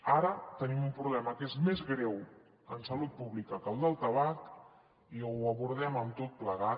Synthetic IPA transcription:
aɾət̪ənimumpɾuβlɛməkezmezɣɾɛw | ənsəlut̪̚puβlikəkəlˠd̪əlˠt̪əβ̞ak | iəβuɾð̞ɛməmt̪ot̪̚pləɣa

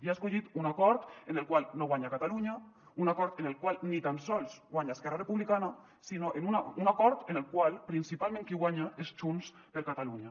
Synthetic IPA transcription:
iaeskoʎit̪unakɔɾt̪enelkwalˠnoɣwaɲakat̪aluɲa | unakɔɾt̪enelkwalˠnit̪ansɔlsɡwaɲaeskɛɾrarepuβlikana | sinoʔenunaunakɔɾt̪enelˠkwalˠpɾinsipalˠmẽŋkiɣwaɲaest͡ʃuns | peɾkat̪aluɲa

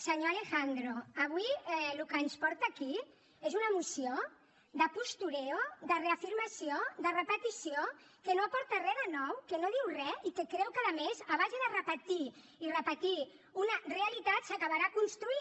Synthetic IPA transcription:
səɲoalexand̪ɾoaβ̞uiɛlukənspɔɾt̪aːki | ezunəmusio | ðəpust̪uɾɛoðəreafiɾmasioðərəpət̪isiokənoapɔɾt̪ərɛðənɔwkənoðiwrɛikekɾɛwkəðəmezaβ̞azeðərəpət̪i | irəpət̪i | unɐreəlit̪at̪səkaβaɾaːkunst̪ɾui

